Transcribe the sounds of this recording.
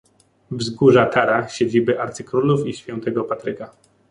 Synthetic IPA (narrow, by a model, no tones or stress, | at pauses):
vzɡuʐat̪ʰaɾaɕed͡ʑibɘʔaɾt̪sɘkɾulufiɕfʲjɛ̃nt̪ɛɡɔpat̪ɾɘka